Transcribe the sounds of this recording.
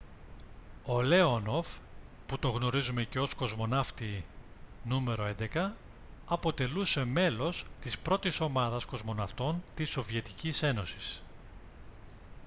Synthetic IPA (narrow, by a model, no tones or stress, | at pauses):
o̞le̞ono̞fput̪o̞ɣno̞ɾizume̞ce̞o̞sko̞zmo̞nɐft̪i | nume̞ɾo̞e̞nd̪e̞kɐː | po̞t̪e̞luse̞me̞lo̞st̪ispɾo̞t̪iso̞mɐðɐsko̞zmo̞nɐft̪o̞nt̪iso̞vie̞t̪icise̞no̞si̥s